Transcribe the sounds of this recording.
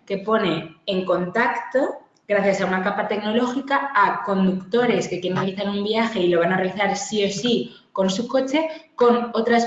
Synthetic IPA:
ke̞po̞ne̞ːŋko̞nt̪akt̪o̞ | ɡɾaθjasaunakapat̪e̞kno̞lo̞xikaako̞nd̪ukt̪o̞ɾe̞ske̞kjɾenrealiθaɾumbiaxe̞ilo̞β̞anare̞aliθaɾsio̞si | ko̞nsuko̞t͡ʃe̞ko̞no̞t̪ɾas

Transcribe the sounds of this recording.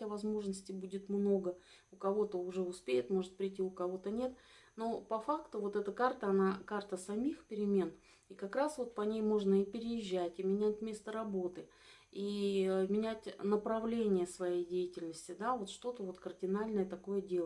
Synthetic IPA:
əvɐzmo̞ʐnəsʲtʲɪbudʲɪt̪mno̞ɡə | ʊkɐvo̞t̪əʊʐɛʊspʲejɪt̪mo̞ʐɨt̪̚pɾʲɪtʲiʊkɐvo̞t̪ənʲe̞t̪ | no̞pɐfakt̪ʊvo̞t̪ɛt̪əkart̪əɐnakart̪əsɐmʲixpʲɪɾʲɪmʲe̞n | ikɐkɾasvo̞t̪̚pɐnʲejmo̞ʐnəipʲɪɾʲɪjɪʑːætʲɪmʲɪnʲætʲmʲest̪əɾɐbo̞t̪ɨ | imʲɪnʲætʲnəpɾɐvlʲenʲɪjəsvɐjejdʲejɪtʲɪlʲnəsʲtʲɪd̪avo̞t̪ʂt̪o̞t̪əvo̞t̪kərdʲɪnalʲnəjət̪ɐko̞jədʲelˠ

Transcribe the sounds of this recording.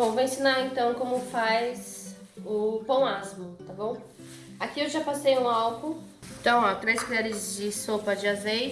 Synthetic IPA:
bõvowẽsĩnaɾẽnt̪ɐ̃w̃kõmʊfajz | ʊpɐ̃w̃azmʊt̪abõw̃ | akiewʒapasejũawkʊ̃ | t̪ɐ̃w̃at̪ɾejsmiʎɛɾɪzd͡ʒɪsopɐd͡ʒɪazejt͡ʃɪ

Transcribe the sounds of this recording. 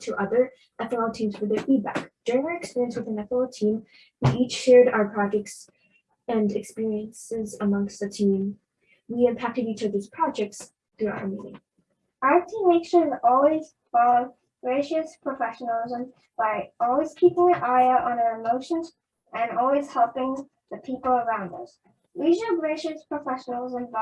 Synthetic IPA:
tʰəʔʌðə˞ | ɛθənl̩ˠtʰĩmz̥fə˞ðə˞fid̚bæ̰kd̥ʊɹɪ̃ŋɨkspɪɹiə̃nswɨðɨ̃nɛθənl̩ˠtʰĩm | wiit͡ʃʃɛɹɾaʊə˞pʰɹ̥ɑd͡ʒɛk̚ts | ɨ̃nɨkspɪɹiɨ̃nsɪzəmʌ̃ŋkstðɨtʰĩm | wiɨ̃mpʰæk̚tɨd̚itʰəðiz̥pʰɹ̥ɑd͡ʒɛk̚ts | θɹua̰ʊə̰˞mĩnɪ̰̃ŋ | ʔaə˞tʰĩmːeɪkʃəzɔlˠwiz | fɑlˠo | ɡ̥ɹeɪʃɨspʰɹ̥əfɛʃənəl̩ˠɪzə̃m | b̥aɪɔlˠwiz̥kʰipɪ̃ŋɨ̃ʔaɪəʔə̃nə˞ɨmoʊʃə̃nz | ɨ̃nɔlˠwiz̥hɛlˠpɪ̃ŋ | ðɨpʰipl̩ˠə˞ãʊ̃ndʌs | ɹid͡ʒnl̩ˠɡɹeɪʃɨspʰɹ̥əfɛʃənəl̩ˠɪzə̃mb

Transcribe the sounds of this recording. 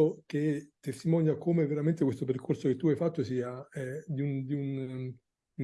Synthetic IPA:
ok̟et̪ːest̪imɔnjakomeveɾament̪ekwest̪op̬erkʰorsoket̪ːuajfat̪ːosiːaɛd̪iund̪iun

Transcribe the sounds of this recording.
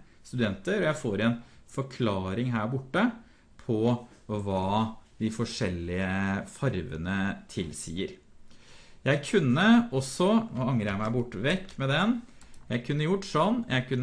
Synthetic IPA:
st̪ʉd̪ɛnt̪əɾɔjæɪfoːɾɛnfɔɾkʰlɑːɾɪŋɦæːɾbʊʈːə | pʰɔʋɑːd̪ɪfɔʂɛlːɪəfɑɾʋə̰nət̪ʰɪlsḭːəɾ | jæɪkʰʉnːəɔsːɔɑŋəɾjæɪmæɪbʊʈːʋɛkːmɛd̪ɛnjæɪkʰʉnːəjʊʈːsɔnːjæɪkʰʉnː

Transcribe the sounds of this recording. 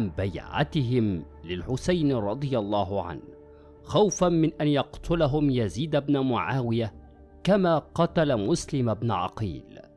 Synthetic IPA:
mbajʕa̰t̪ɪɦɪm | lɪlħʊsajnɾˤɑd̪ˤɨjɑlˤːɑːɦʊʕa̰n | xawfanmɪnʔanjɑqt̪ʰʊlaɦʊmjaziːd̪abnamʊʕaːwɪja | kamaːqɑt̪alamʊslɪmabnʊʕɑ̰qḭːl

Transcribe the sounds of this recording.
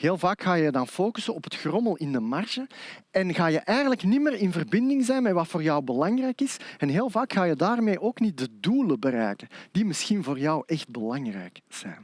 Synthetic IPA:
heːlˠvaːkxaːjəjədɑnfoːkysənɔpətxrɔməlˠɪndəmarʒəɛnɣaːjəʔɛjɣənləknɪmərɪnvərbɪndɪŋzɛjnmɛtʋɑtfoːrjɑwbəlɑŋrɛjkɪsɛnɦeːlˠvaːkxaːjədaːrmeːʔoːknit̚dəduːləbərɛːjkənd̥imɪsxinvoːrjɑwʔɛxt̚bəlɑŋrɛ̰jkz̥ɛ̰ːn

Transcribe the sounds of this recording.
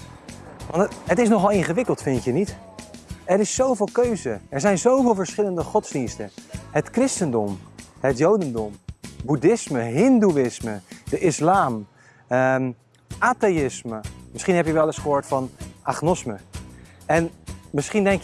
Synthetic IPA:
ʋɑntɦətɪsnɔχɑlˠɪnχəʋɪkəlˠtfɪntjənit | ɛɾɪsːowvɪːlˠkøɥzəɛɹzɛjnzowvɪːlˠvəɹsχɪləndəχɔtzdinstəɦətkrɪstəndɔmɦətjowdəndɔmbudɪsməɦɪnduɪsmədəʔɪslaːm | ʔaːtejɪsməmɪsχinɦɛpjəʋɛlˠɪsχəɦoːɹtfɑnʔaχnɔsmə | ɛnmɪsχindɛŋkjə

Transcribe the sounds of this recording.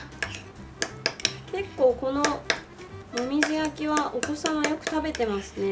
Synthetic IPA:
ke̞kːo̞ːko̞no̞ | momʲiʑiakʲiβaʔoko̞sãmajo̞kɯ̟̥t̪abe̞t̪e̞masɨne̞

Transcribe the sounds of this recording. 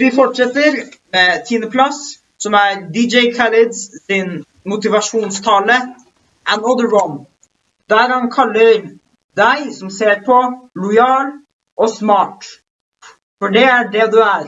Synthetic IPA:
ʋɪfɔʈʂɛt̪ːəɾmɛːt̪ʰiːnəpʰlɑs | sɔmæɾd̪ɪd͡ʒɛɪkʰælɪd̪ssɪn | mʊt̪ɪʋɑʂuːnst̪ʰɑːlə | ʔənɔd̪əwɔn | d̪æɾhɑnkʰɑlːəɾ | d̪æɪsɔmseːɾpʰɔlʊjɑːɳ | ʔɔsmɑːʈ | fɔɖɛæɖɛd̪ʉæɾ

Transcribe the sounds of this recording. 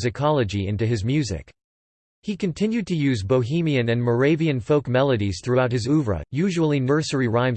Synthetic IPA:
zɨkʰɑlˠəd͡ʒiɪ̰̃ntʉɨzmjʉzɪ̰k | hikɨ̃ntʰɪ̃njʉd̚tʰɨjʉzboʊɦĩmiɨ̃nɨ̃nmə˞eɪviɨ̃nfoʊkmɛlˠəɾiz̥θɹʉaʊt̚hɨzʉvɹə̰jʉʒul̩ˠinɜ˞sə˞iɹãɪ̃m

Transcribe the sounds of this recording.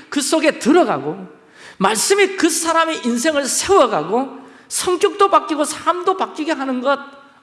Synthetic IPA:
kɯs͈oɡe̞tɯɾʌɡa̰ɡo | maɭs͈ɯmikɯsʰaɾameʔins̬ʰe̞ŋɯɭsʰe̞wʌɡaɡo | sʰʌŋk͈jʌk̚t͈opak͈iɡosʰaɾamdopak͈iɡe̞ɦanɯnɡʌd̚

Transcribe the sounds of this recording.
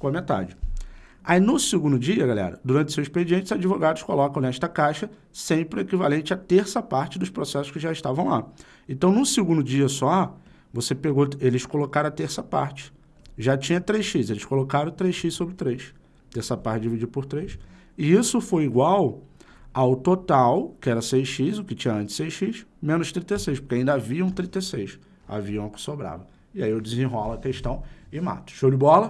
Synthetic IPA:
kõɐmet̪a̰d͡ʒɪ | ainʊsɪɡũnd̪ʊd͡ʒiɐɡalɛ̰ɾɐ̰d̪uɾɐ̃nt͡ʃɪʊ̥sewzisped͡ʒiẽnt͡ʃɪzad͡ʒivoɡad̪ʊʃkolɔkɐ̃w̃nɛʃt̪ɐkajʃɐ | sẽpɾɪekivalẽnt͡ʃɪɐt̪eɾsɐpaɾt͡ʃɪd̪ʊʃpɾosɛsʊ̥ʃkɪʒaɪʃt̪avɐ̃w̃la | ẽt̪ɐ̃w̃nʊsɪɡũnd̪ʊd͡ʒiɐsɔ | vosepeɡoelɪskolokaɾɐ̃ɐt̪eɾsɐpa̰ɾt͡ʃɪ̥ | ʒat͡ʃĩɲɐt̪ɾejʃizelɪʃkolokaɾɐ̃w̃t̪ɾejʃisobɾɪt̪ɾejʃ | t̪eɾsɐpaɾt͡ʃɪd͡ʒivid͡ʒipʊɾt̪ɾejs | ɪisʊfojiɡwaw | awt̪ot̪awkɪɛɾɐsejʃizʊkɪt͡ʃĩɲɐɐ̃nt͡ʃɪ̥sejʃiʃmẽnʊʃt̪ɾĩt̪esejʃpo̥ɾkeaĩnd̪ɐaviɐ̃w̃t̪ɾĩt̪esejʃ | a̰viɐũmɐkɪ̥sobɾa̰vɐ | ɪaiewd͡ʒɪzĩɦɔlɐkeʃt̪ɐ̃w̃ɪma̰t̪ɐ̥ʃod͡ʒɪbɔlɐ

